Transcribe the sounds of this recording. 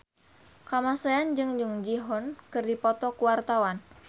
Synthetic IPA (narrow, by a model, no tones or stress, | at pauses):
kamasaand͡ʒɨŋd͡ʒɨŋd͡ʒiɦɔnkɨrdipɔt̪ɔkuwart̪awan